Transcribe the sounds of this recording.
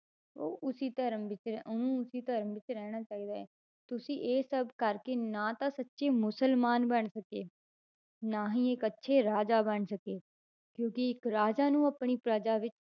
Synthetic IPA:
oːʔʊsiːt̪əɾəmʋɪt͡ʃɾʊnũːʊsiːt̪əɾmʋɪt͡ʃɾɛːɽ̃aːt͡ʃaːiːd̪aːɛː | t̪ʊsĩːʔeːsəbkəɾkeːnãːt̪ãːsətːʃeːmʊsəlmaːnbəɳsəkeː | naːɦĩːɪkətːʃʰeːɾaːd͡ʒaːbəɳsəkeː | kjõːkɪɪkɾaːd͡ʒaːnũːəpɳiːpɾad͡ʒaːʋɪt͡ʃ

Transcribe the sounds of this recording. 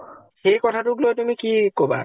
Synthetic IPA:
ʃejkɔt̪ʰaʈuklot̪umikikoba̰

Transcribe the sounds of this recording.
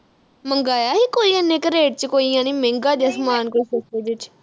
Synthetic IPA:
məŋɡaːjaːɦiːkoːiːənːẽːkəɾeːʈ̚t͡ʃəkoːijãːnĩːmẽːŋɡaːd̪eəsmaːnkoisəsed͡ʒɪt͡ʃ

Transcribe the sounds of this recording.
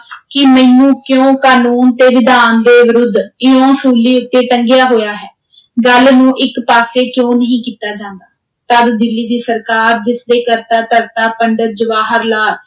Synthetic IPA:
kɪmɛ̃jũːkjõːkaːnuːnt̪eːʋɪd̪aːnd̪eːʋɪɾʊd̪ʱːɪõːsuːliːʊt̪ːeːʈəŋɡjaːɦoːjaːɦɛː | ɡəlnũːʔɪkpaːseːkjõːnəɦĩːkiːt̪aːd͡ʒãːnd̪aː | t̪əɾd̪ɪlːiːd̪iːsəɾkaːɾd͡ʒɪsd̪eːkəɾt̪ãːt̪əɾt̪aːpəɳɖəd͡ʒəʋaːɦəɾlaː

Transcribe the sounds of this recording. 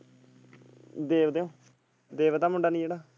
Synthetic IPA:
d̪eːʋd̪eːõː | d̪eːʋt̪ãːmʊɳɖaːnĩːd͡ʒeːɽaː

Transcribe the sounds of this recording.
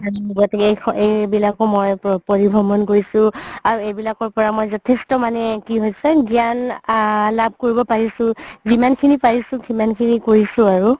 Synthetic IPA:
aminuɡɔtɛkejejbilakɔmɔjpoɹibʱɔmɔnkoɹisʊ̃aɹuejbilakɔɹpɔɹamojzɔtʰestɔmanɛkiɦojsɛɡijan | labʱkoɹibɔpaɹisʊ̃zimankʰinipaɹisʊ̃kimankʰinikoɹisʊ̃aɹu

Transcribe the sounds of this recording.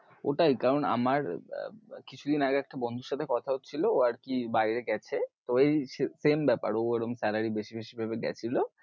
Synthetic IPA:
oʈajkaɾona̰maɾ̰ | kit͡ɕʰud̪inaɡeɛk̚ʈabond̪ʱuɾʃat̪ʰekɔt̪ʰaɦot̪ːt͡ɕʰilooaɾkibajɾeɡɛt͡ɕʰet̪oejesembɛpa̰ɾoɛɾomsɛlaɾibeʃibeʃibʱabeɡɛ̰t͡ɕʰilo

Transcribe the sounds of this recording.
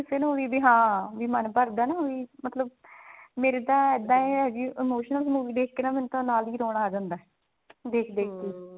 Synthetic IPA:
ɪseːnoːiːbiːɦãːʋiːmənpəɾd̪ɛːnaːɦoːiːmət̪ləb̚meːɾeːt̪ãːɪd̪ãːẽɛd͡ʒiːʔɪmoːʃənəlsəmuːʋiːd̪eːkʰkenaːmɪnt̪ãːnaːliːɾoːɽ̃aːd͡ʒãːnd̪aː | d̪eːkʰd̪eːk̪ʰːiː

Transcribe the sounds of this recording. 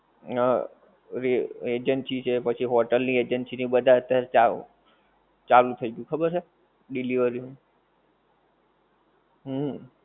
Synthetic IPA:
ɾied͡ʒənsit͡ʃʰepət͡ʃʰiɦoʈəlnied͡ʒənsinibəd̪ʱaət̪jaɾet͡ʃa̰ | t͡ʃalũt̪ʰəiɡjũkʰəbəɾt͡ʃʰe | ɖiliʋəɾinũ | ɦə

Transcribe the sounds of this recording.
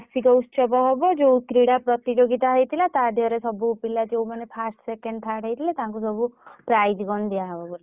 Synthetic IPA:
sikɔut̪sɔbɔɦebɔd͡ʒewk̪ɾiɽapɾɔt̪id͡ʒoɡit̪aɦejt̪ʰilat̪ad̪ʱiɔɾesɔbuːpilad͡ʒewmanepʰasʈsekeɳɖt̪ʰaʈeit̪ʰilat̪aɦãŋk̬usɔbupɾajd͡ʒɡɔnd̪iaɦɔbɔbɔ

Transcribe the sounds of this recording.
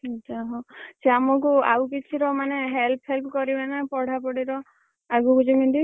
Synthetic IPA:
ɔt͡ʃʰaɦoseamɔk̬ua̰wkit͡ʃʰiɾɔmaneɦelpʰelkukɔɾibanapɔɽ̤apɔɽiɾɔ | aɡukud͡ʒimind̪i

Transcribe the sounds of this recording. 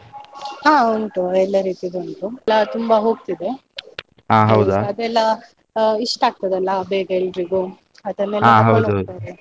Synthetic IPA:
hãːuɳʈuɛlːɐɾiːt̪id̪ɐɳʈulːɐt̪umbɐɦoːɡ̚t̪id̪e̞ | aːɦɐwd̪ɐd̪ɛlːɐ | iʂʈaːɡ̚t̪ɐd̪ɐlːɐbeːɡɐelɖɾiɡu | ɐd̪ɐmeːleaɦɐwd̪ɦɐd̪t̪ajde

